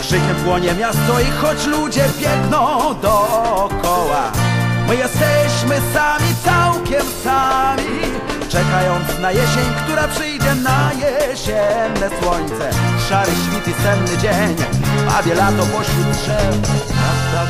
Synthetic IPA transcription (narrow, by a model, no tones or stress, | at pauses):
ʂɘkʲɛmvwɔɲɛmʲjast̪ɔixɔt͡ɕlud͡ʑɛbʲjɛɡnɔ̃wd̪ɔkɔwa̰mɘjɛst̪ɛɕmɘsamʲit̪sawkʲɛmsamʲi | t͡ʂɛkajɔnt̪snajɛɕeɲkt̪uɾapʂɘjd͡ʑɛnajɛɕɛnːɛswɔɲt̪sɛʂaɾɪɕfʲipʲisɛmnɨd͡ʑeɲa̰bʲjɛlat̪ɔpɔɕʲiuʂɛad̪a